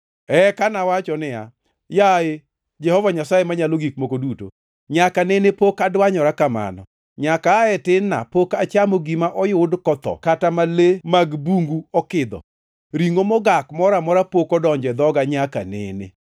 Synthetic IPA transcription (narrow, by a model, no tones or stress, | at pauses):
ɛkanawat͡ʃɔnɪa̰ | jae | d͡ʒɛhɔvaɲasajemaɲaloɡik̚mokoduto̰ | ɲakanenepokadwaɲɔɾakama̰nɔ̰ | ɲakaɛtɪnːa̰pokat͡ʃamoɡimaʔɔjʊdkɔt̪ɔ̰katamalemaɡbuŋɡuɔkɪd̪ɔ̰ | ɾiŋomɔɡakmɔɾamɔɾapokɔdɔɲd͡ʒɛd̪ɔɡaɲaka̰nḛnḛ